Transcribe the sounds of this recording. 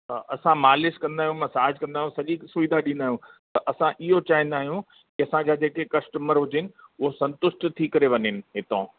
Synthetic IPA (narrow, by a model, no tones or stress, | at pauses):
ʔɐsãmaːlɪskɐ̃nd̪aːɦjũmɐ̃saːɦɪd͡ʑkɐ̃nd̪aːjũsɐʄisʊʋid̪aɗĩnd̪aːɦjũt̪ɐʔɐsãʔɪɦot͡ɕaːɦĩnd̪aːɦijũ | kɪɐsãd͡ʑaːd͡ʑeːkekɐsʈəməɾɦʊd͡ʑɪnɪ̆ʊɦosɐ̃nt̪ʊsʈt̪ʰikɐɾeʋɐɲɪnɪ̆ɦɪt̪õ